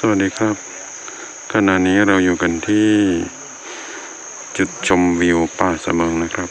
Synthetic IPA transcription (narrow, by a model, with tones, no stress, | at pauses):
sa˧wa˨t̪̚diː˧kʰɾa˦˥p̚ | kʰa˧na˨˩ʔniː˦˥ɾa˧wjuː˨˩ka˧nt̪ʰiː˥˩ | t͡ɕu˨˧˩t̪̚t͡ɕʰo˧mwi˧wpaː˧˩sa̰˧mɤː˧ŋna˦˥˩kʰɾa˦˥p̚